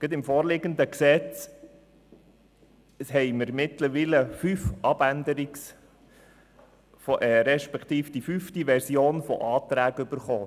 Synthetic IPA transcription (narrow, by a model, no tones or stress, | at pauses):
ɡ̥ət̪ɪmfɔːɾlɪɡənd̪əksɛt͡s | hɛɪməɾmɪt̪ləɾʋiːləfyfʔɑb̥ænd̪əɾɪks | fɔʔɛɾɛʃpɛkʰt̪iːfd̥̪ifyft̪iʋɛɾsjoːnfɔ̰ʔɑːt̪ɾæːɡʏb̥əɾχoː